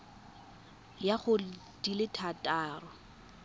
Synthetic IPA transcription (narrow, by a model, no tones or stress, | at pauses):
jaχʊ | d̥ilɪtʰatʼaːrʊ